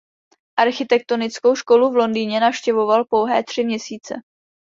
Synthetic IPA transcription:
ʔaɾxɪt̪ɛk̚t̪o̞nɪt͡sko̞wʃko̞luvlo̞ndiːɲɛnafʃcɛvo̞valpo̞wɦɛːt̪r̥ɪmɲɛsiːt͡sɛ̰

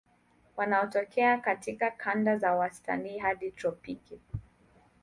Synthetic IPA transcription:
wanaɔtɔkʰɛakatikakʰandazawasta̰niːɦaɗitɾɔpiki

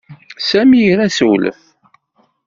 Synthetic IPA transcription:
sæmijɾæsəwlə̰θ

